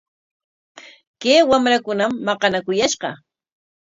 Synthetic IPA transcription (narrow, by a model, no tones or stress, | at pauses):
kejwamɾakʊnamːɑqɑnakʊjaʃɢɑ